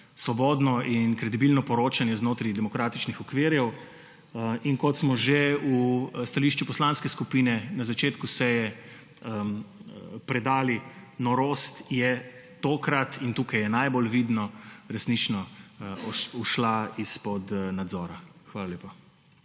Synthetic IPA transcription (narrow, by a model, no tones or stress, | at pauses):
sʋɔbɔːd̪nɔʔinkɾɛd̪ibilnɔpɔɾoːt͡ʃanjɛznoːt̪ɾid̪ɛmɔkɾaːt̪it͡ʃnixɔkʋeːɾjɛw | inkɔt̪smɔʒeust̪aliːʃt͡ʃupɔslanskɛskupiːnɛnazat͡ʃeːt̪kusɛjɛ | pɾɛd̪aːlinɔɾoːst̪jɛt̪oːkɾat̪int̪uːkajɛnajbolʋid̪nɔɾɛsnit͡ʃnɔ | uʃlaispɔd̪nad̪zɔːɾaxʋaːlaljeːpa